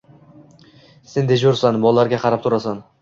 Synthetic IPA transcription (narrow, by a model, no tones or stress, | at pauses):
send̪ed͡ʒoɾsanbɒlˠlaɾɡʲaqʰɑɾap̚t̪ʰʊɾasan